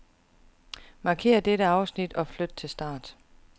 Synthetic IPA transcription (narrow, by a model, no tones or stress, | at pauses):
mɑ̈ːkʰe̝̰ːɐd̥eɾəɑ̈ʊsnid̥ɒ̽flød̥̚t͡sʰe̝lsd̥ɑ̰̈ːd̥